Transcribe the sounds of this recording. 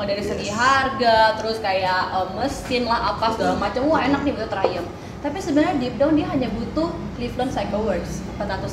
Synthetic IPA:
daɾisəɡiɦarɡat̪əɾʊskajaəmməst̪ɪnlaɦapaɡamat͡ʃamuaenak̚nibut̪uht̪əɾajəŋ | t̪apisəbənaɲadip̚dawndiaɦaɲabut̪ʊh | kliflɔnsaɡəwərds | pat̪at̪us

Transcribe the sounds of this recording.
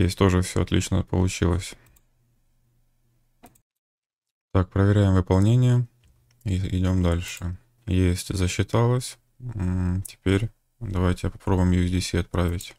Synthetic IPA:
jesʲt̪o̞ʐɨfsʲo̰ɐt̪lʲḭt͡ɕnə̰pə̰lˠʊt͡ɕilˠə̰sʲ | t̪ak̚pɾəvʲɪɾʲæjɪmvɨpɐlˠnʲenʲɪjə | iɪdʲo̞md̪alʲʂɨ | jesʲtʲzəɕːɪt̪alˠəsʲ | tʲɪ̥pʲeɾʲ | d̪ɐvajtʲɪjapɐ̥pɾobʊjɪmjʊdʲɪsʲiɐt̪̚pɾavʲɪtʲ

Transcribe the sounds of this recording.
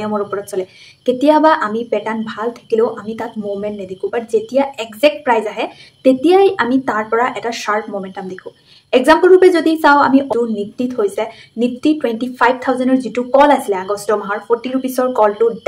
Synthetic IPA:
jɔmɔɹupɔɹɔtsɔlɛtetijabaʔamipɛtanbʱaltʰḁkileʊʔamitat̚momɛntnɛdekʰʊ̃paɹzetijaɛkzɛk̚t̚pɹajzaɦɛtetijajamitaɹpɔɹaʔɛtasaɹk̚ʰmomɛntamidekʰʊ̃ | ɛɡzampɔlɹupɛzodisawa̰miʔɔunik̚tːithojsɛnik̚tːitwentipʰajb̚ʱt̪ʰawzɛndɔɹzitukɔlasilɛaɡɔstɔmaɦaɹpʰɔɹtiɹupisɔɹkɔltʊd

